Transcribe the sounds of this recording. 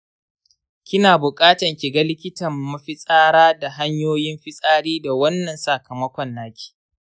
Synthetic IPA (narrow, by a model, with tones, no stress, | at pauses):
kʲɪ˦naː˨bʊ˨kʼaː˦tɐ˨ŋkʲi˨ɡa˦lɪ˦kʲɪ˦tɐ˨mːɐ˦ɸɪ˦sʼaː˦ɽaː˦da˨ɦa˦ɲjoː˦jɪ˦mɸɪ˦sʼaː˦ɽiː˦da˨wɐ˦nːɐ˨nsa˨kɐ˨mɐ˦kʷɔ˨nːaː˦kʲi̥ː˨ʔ